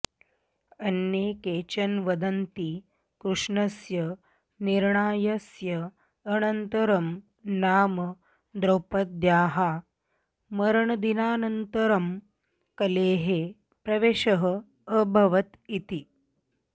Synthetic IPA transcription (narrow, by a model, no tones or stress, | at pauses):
ɐnjeːkeːt͡ɕɐnʋɐd̪ɐnt̪i | kɾuʂɳɐsjɐ | niɾɳaːjɐsjɐː | nɐnt̪ɐɾɐm | naːm | d̪ɾowpɐd̪̚d̪jaːɦa | mɐɾɳɐd̪inaːnɐnt̪əɾɐm | kɐleːɦeː | pɾɐʋeːʃɐɦə | əbʱɐʋɐt̪it̪i